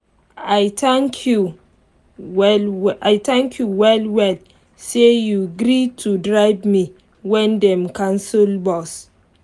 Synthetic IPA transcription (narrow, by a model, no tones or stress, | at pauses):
ajtãŋkʰju | wlwajtãŋkʰjuwɛlwɛl | sejuɡɾitʰudɹaɪvmi | wɛ̃ndɛ̃mkãnsulbɔs